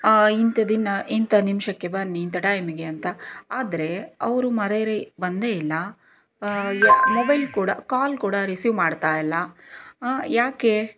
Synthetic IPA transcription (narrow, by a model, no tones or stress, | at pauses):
int̪ɐd̪inɐʔint̪ʰɐnimʃɐkːe̞bɐnːiːnt̪ʰɐʈɐjmiɡe̞ɐnt̪ɐaːd̪ɐɾe̞ɐʋɾumɐɾeɾebɐnd̪eːilːɐ | mobɐjlkuːɽɐkaːlkuːɽɐɾisjumaːɖt̪aːjɐlːɐ | jaːke